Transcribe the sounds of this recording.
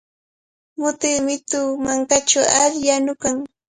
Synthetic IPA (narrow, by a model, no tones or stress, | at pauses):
mʊt̪ɪmɪt̪ʊmaŋkat͡ʃaaʎjanʊkaŋ